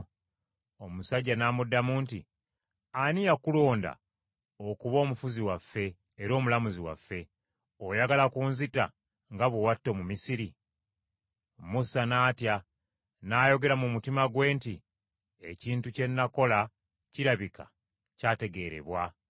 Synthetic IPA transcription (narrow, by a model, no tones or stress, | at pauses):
omusaɟːanaːmudːamunti | anijakulo̞ːnda̰ | okuβo̞ːmufuziwafːe̞ː | ɾo̞ːmulamuziwa̰fːe̞ | o̞jaɡalakuːnzita̰ | ŋɡaβowatːo̞mumisiɾi | musanaːtja | naːjo̞ɡe̞ɾamumutimaɡwe̞ːnti | e̞ciːntuce̞nːako̞la | ciɾaβika̰ | caːte̞ɡe̞ɾe̞̰βwa